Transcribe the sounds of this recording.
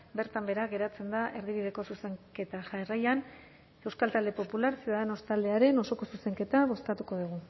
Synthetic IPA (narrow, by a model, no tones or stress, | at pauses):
be̞ɾt̪ambe̞ɾaɣe̞ɾat͡se̞nd̪aʔe̞ɾðiβ̞iðe̞ko̞suseŋke̞t̪aʝaerajan | e̞wskalt̪ald̪e̞po̞pulaɾsjiuðaðe̞no̞st̪ald̪e̞aɾe̞no̞so̞ko̞suse̞ŋke̞t̪aβo̞sk̪at̪uko̞ðuɣ̞u